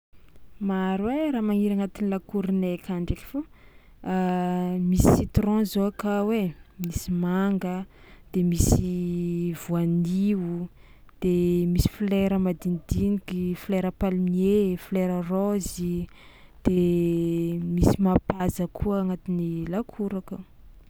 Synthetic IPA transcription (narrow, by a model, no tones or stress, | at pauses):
maɾweɾaːmaŋiɾaŋat̪inilakuɾinekʲaɳɖ͡ʐeki̥fo | misit̪rɔ̃zoakawemisimaŋɡə | d̪̥emisivuaniu | d̪̥emisi̥fleɾəmad̪ind̪inikifleɾəpalimiefleɾərozi | d̪̥e | misimapazəkʰuəːŋat̪inilakʰuɾaka